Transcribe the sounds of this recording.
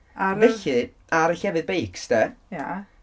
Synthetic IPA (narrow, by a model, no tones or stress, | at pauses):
avɛɬɨ | aɾəɬɛvɨðbejksd̥ɛja